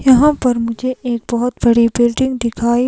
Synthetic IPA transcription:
jɐɦãpɐɾmʊ̃d͡ʒʱeeːk̚bɐɦɔt̪bɐɽibɪlɖɪ̃ŋɡd̪ɪkʰaːi

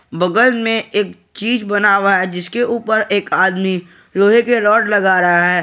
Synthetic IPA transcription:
bɐɡəlmẽeːk̚ | t͡ʃiːd͡ʒbɐnaːʋaɦɛd͡ʒɪskeuːpəɾeːkaːd̪mi | ɾoːɦekeɾɔːʈlɐɡaːɾɐɦaɦɛː

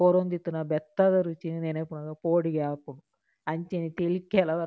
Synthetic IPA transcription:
oːɾond̪it̪ːunɐbɛt̪ːɐd̪ɐɾut͡ʃinineːnɐpːunɐɡɐpoːɽiɡaːpunu | ɐɲt͡ʃenit̪elikːɛlɐʋɐ

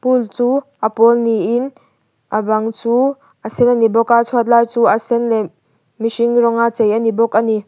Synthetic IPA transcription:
pult͡suːʔɐpɔlniʔɪn | ʔabɐŋt͡su | ʔasɛnanibɔkat͡sʰɔt̪̬̚lajt͡suːʔasɛnlɛ | misiŋrɔŋat͡sejʔanibɔkani

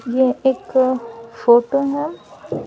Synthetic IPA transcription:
jeeːk | foːʈoɦɛ

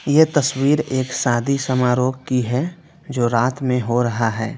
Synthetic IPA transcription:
jet̪ɐswiːɾeːksaːd̪ʱisɐmaːɾoːɡkiɦɛ | d͡ʒoːɾaːt̪mẽɦoɾɐɦaɦɛː

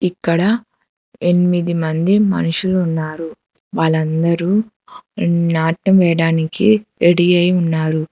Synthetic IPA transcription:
ikːɐɽɐ | enimid̪imɐnd̪imɐ̰nuʂuluːnːaːɾu | ʋaːɭɐnd̪ɐɾu | naːʈɐmʋɛːɐɽaːnikiɾeɽijɐjunːaːɾu

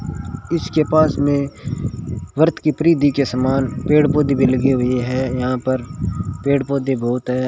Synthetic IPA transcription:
ɪskepaːsmẽ | ʋəɾt̪ʰkipɾiːd̪ikesəmaːnpeːɽpoːd̪ibʱilɐɡeɦʊeɦɛjɐɦãpəɾpeːɽpoːd̪ibɔːʊt̪ɦɛː

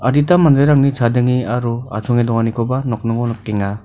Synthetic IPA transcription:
aditamandɾɯjɾaŋnit͡ʃʰadɯŋiaɾua̰tʰɔŋidɔŋanikʰɔbanɔk̚nɯŋɔnɔkːeŋa

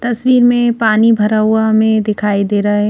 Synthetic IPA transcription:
t̪ɐswiːɾmẽpaːnibʱɐɾaʊamẽd̪ɪkʰaːid̪eːɾɐe

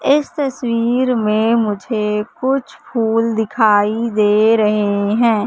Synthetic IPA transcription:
ɪst̪ɐswiːɾmẽmʊd͡ʒʱekʊt͡ʃʰpʰuːld̪ɪkʰaːid̪eːɾɐɦeɦɛ̃ː

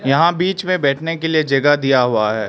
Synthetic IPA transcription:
jɐɦãbiːt͡ʃmẽbɛːʈʰnekelied͡ʒɐɡad̪ijaɦuaɦɛː

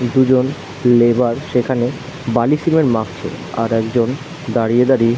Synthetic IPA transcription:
d̪ud͡ʑon | lebaɾʃekʰane | balisimeɾmak̚t͡ɕʰḛa̰ɾɛkd͡ʑon | d̪aɾied̪aɾi

